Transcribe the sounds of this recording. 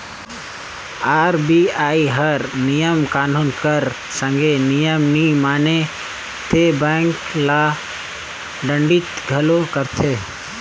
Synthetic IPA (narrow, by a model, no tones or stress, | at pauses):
aːɾbiːaːiɦəɾnijəmkaːnuːnkəɾ | sə̃ŋɡenijəmnimaːne | t̪ebɛ̃ːŋklaː | ɖə̃ɳɖɪt̪ɡʱəlokəɾt̪ʰeː